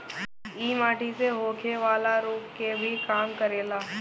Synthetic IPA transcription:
iːmaːʈʰiseɦoːkʰeʋaːlaɾoːpkebʱikaːmkəɾeːlaː

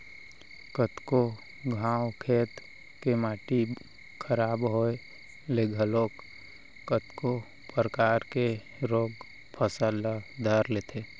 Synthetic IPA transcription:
kət̪ko | ɡʱãːwkʰeːt̪ | kemaːʈi | kʰəɾaːbɦoe | leːɡʱəloːk | kət̪ko | pəɾəkaːɾke | ɾoːɡ | pʰəsalad̪ʱəɾleːt̪ʰeː

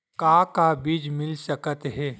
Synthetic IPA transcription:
kaːkabiːd͡ʒmɪlsɐkət̪ɦɛː

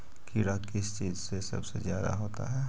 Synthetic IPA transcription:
kiɾakɪst͡ʃiːzsesɐ̰bsezjaːd̪a̰ɦoːt̪a̰ɦɛː

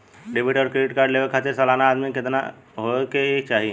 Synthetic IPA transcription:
ɖɪbʱiʈɔːɾkɾeɖɪʈkaːɾɖleʋekʰaːt̪ɪɾsəlaːnaːd̪mikɪt̪na̰ | ɦokeeːk̚t͡ʃaːɦie

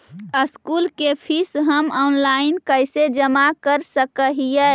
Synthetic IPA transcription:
əskulkepʰisɦəmɔnlaɪnkəɪsed͡ʒəmakəɾsəkəɦijɛ

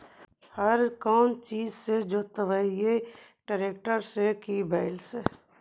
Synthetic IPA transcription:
hɐɾkɔːnt͡ʃiːzsed͡ʒoːt̪əʋaje | ʈəɾeːkʈəɾsekibaːɪlse

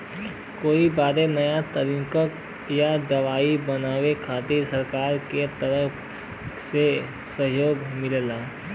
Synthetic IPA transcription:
koːibaːɾenɐjat̪əɾũkək | jad̪ɐʋaːibɐnaːʋekʰaːt̪iɾsɐɾkaːɾket̪ɐɾəpʰ | se | səɦjoːɡmɪllaː

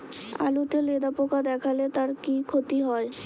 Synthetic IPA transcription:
a̰lut̪eled̪apokad̪ɛkʰalet̪aɾkikʰot̪iɦɔe

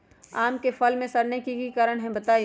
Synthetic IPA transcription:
aːmkefʰɐlmẽsɐɾnekikikaɾəɽ̃ɦɛ̃bɐt̪aːi

